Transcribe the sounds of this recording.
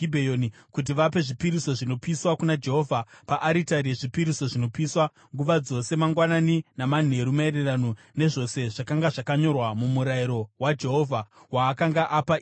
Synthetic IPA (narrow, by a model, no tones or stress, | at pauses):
ibʱejoni | kut̬iʋap̬e̞ʐipiɾiso̞ʐino̞piswakunad͡ʒe̞ɦo̞vʱapaʔːɾitaɾeʐipiɾiso̞ʐino̞piːswa | ŋɡuʋad͡zo̞se̞maŋɡwananinaman̤ue̞ɾumae̞ɾe̞rano | ne̞ʐo̞se̞ʐakaŋɡaʐakaɲo̞rwamumuɾaiɾo̞wad͡ʒe̞ɦo̞vʱawaːkaŋɡaʔapa